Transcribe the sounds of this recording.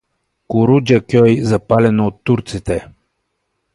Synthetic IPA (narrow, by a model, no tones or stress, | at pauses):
kuɾud͡ʒakʲɔjzɐpalɛnoːt̪ːuɾt̪sit̪ɛ